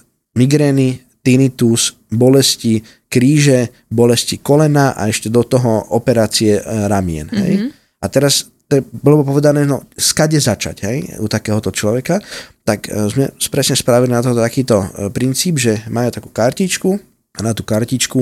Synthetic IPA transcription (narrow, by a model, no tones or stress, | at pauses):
miɡɾɛːni | t̪init̪us | bɔlɛsci | kɾiːʒɛ | bɔlɛscikɔlɛnaːʔa̰ɛʃcɛd̪ɔt̪ɔɦɔɔpɛɾaːt͡siɛɾamɪɛ̰nɦɛ̰j | ʔat̪ɛɾas | t̪ɛɛbɔlɔbɔpɔʋɛd̪anɛːɛnɔskaɟɛzat͡ʃa̰cɦɛjṵt̪akɛːɦɔt̪ɔt͡ʃlɔʋɛkat̪akzmɛ̰spɾɛsɲɛspɾaʋilinat̪ɔt̪akiːt̪ɔpɾint͡siːbʒɛmaːjut̪akuːkaɾcit͡ʃku | nat̪uːkaɾcit͡ʃku